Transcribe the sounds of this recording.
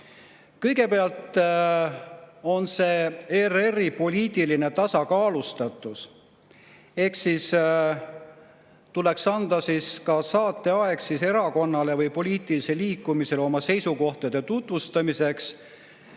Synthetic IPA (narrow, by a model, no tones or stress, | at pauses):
kɤ̞jɡe̞peɑlt̪ | o̞nse̞ːe̞reripo̞lʲiːt̪iline̞t̪ɑsɑkɑːlust̪ɑt̪ːˑus | e̞hksis | t̪ule̞ksɑnd̪̥ɑsiskɑsɑːt̪ːˑe̞ɑe̞ksise̞ɾɑko̞nːɑle̞vɤjpo̞liːt̪iliseliːkːˑumise̞lo̞mɑse̞jsuko̞ht̪ɑd̪̥e̞t̪ut̪vust̪ɑmise̞ks